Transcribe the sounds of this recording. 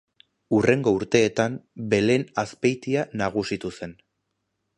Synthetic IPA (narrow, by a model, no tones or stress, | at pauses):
ure̞ŋɡo̞uɾt̪e̞ːt̪ambe̞le̞naspejt̪ianaɣ̞usit̪use̞n